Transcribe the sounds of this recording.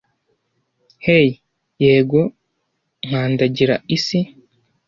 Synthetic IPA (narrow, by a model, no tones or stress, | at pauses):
hej | jeːɡo̞ | ŋ̥aːndaɟiɾaisi